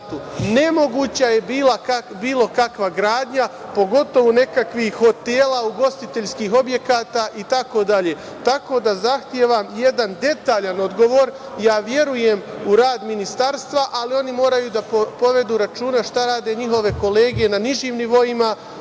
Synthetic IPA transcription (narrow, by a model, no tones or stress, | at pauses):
t̪une̞mo̞ɡuːt͡ɕaje̞biːlakabiːlˠo̞kakʋaɡɾaːd̪ɲapo̞ɡo̞t̪o̞ʋone̞kakʋixho̞t̪e̞ːlauɡo̞st̪it̪eʎskiːɦo̞bje̞kaːt̪aːʔit̪ako̞d̪aʎe̞ | t̪ako̞ːd̪azaxt̪je̞ʋamje̞d̪and̪e̞t̪aːʎano̞d̪ɡo̞ʋo̞ːɾ | jaːʋje̞ɾuje̞muɾaːd̪minist̪aɾst̪ʋaʔalio̞nimo̞ːɾajud̪apo̞ʋe̞d̪uːɾat͡ʃuːnaʃt̪aɾaːd̪e̞ɲiɦo̞ʋe̞ko̞le̞ːɡije̞naniʒiːmniʋo̞ima